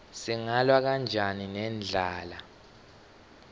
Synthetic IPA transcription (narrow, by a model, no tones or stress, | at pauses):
siŋalwak̬and͡ʒʱaninɛnd͡ɮʱaːla